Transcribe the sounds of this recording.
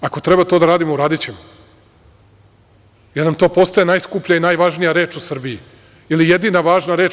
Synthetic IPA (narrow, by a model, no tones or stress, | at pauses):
ako̞t̪ɾe̞bat̪o̞ːd̪aɾaːd̪imouɾaːd̪it͡ɕema | jeɾnamt̪o̞ːpo̞st̪ajenaːjskupʎainajʋaʒnijaɾe̞ːt͡ʃusr̩bii | ilijed̪iːnaʋaːʒnaɾeːt͡ʃ